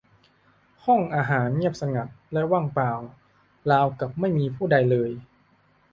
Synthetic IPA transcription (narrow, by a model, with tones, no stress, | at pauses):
hɔ˥˩ŋʔaː˧ɦaː˩˦nŋi˥˩əp̚sa˧ŋa˨˩p̚lɛ˦˥waː˥˩ŋpaː˨˩w | laː˧wka˨˩p̚ma˥˩jmiː˧pʰuː˥˩da˧jlɤː˧j